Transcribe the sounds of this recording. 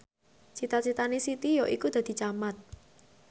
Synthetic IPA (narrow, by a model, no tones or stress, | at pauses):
t͡ʃit̪at͡ʃit̪anesit̪ijɔʔikud̪̥a̤d̪̥i̤t͡ʃamat̪̚